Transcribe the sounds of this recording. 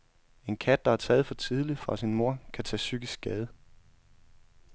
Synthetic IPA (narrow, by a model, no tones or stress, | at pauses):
e̝nkʰæd̥̚d̥ɑ̈æɐt͡sʰɛ̰ːð̞̩ˠfɒ̽t͡sʰið̞ˠli̥fʁɑ̈sinmo̝ɐ̰kʰæt͡sʰɛ̰ːsyɡ̥isɡ̥ɡ̥ɛːð̞ˠ